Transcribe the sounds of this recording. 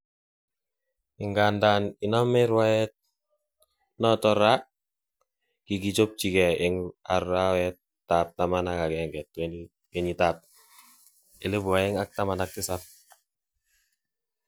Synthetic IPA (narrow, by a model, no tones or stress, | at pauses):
ɪŋɡandaninamɛɾwaɛt̚ | nɔtɔɾa | kikit͡ʃop̚t͡ʃikɛɪŋarawɛtːap̚tamanakakɛŋɡɛt̚wɛni | kɛɲitap̚ | elebwaɪŋak̚tamanak̚tisap̚